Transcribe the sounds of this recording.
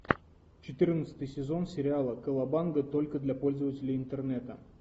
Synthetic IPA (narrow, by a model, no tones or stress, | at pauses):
t͡ɕɪt̪ɨrnət̪sɨ̥t̪ɨjsʲɪzo̞nsʲɪɾʲɪalˠəkəlˠɐbanɡət̪o̞lʲkəd̪lʲapo̞lʲzəvətʲɪlʲɪɪnt̪ɨrnɛt̪ə